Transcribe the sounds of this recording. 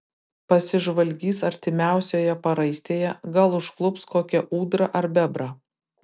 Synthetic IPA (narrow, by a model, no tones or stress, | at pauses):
pɐsʲɪʒʋɐlʲɡʲiːsɐɾʲt̪ʲɪmʲæˑʊsʲoːjɛpɐɾɐɪsʲt̪ʲeːjɛɡɐlˠʊʃklˠʊpskoːkʲɛʔuːd̪ɾɐʔɐɾbʲɛbɾɐ